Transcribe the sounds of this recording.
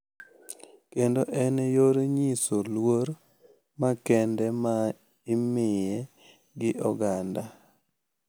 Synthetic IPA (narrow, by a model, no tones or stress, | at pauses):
kendoʔɛnjoɾɲisolwoɾ | makɛndɛma | ɪmɪjɛ | ɡɪʔɔɡanda